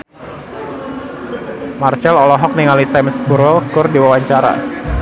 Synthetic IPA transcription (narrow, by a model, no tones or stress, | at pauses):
mart͡ʃɛlɔlɔɦɔk̚niŋalisamsbuɾɛlkʊrdiwawaɲt͡ʃaɾa̰